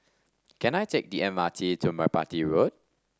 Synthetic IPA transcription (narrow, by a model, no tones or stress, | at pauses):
kɛ̃najtʰek̚diɛ̃nmatʰitʰumaɪpa̰tiɹod̚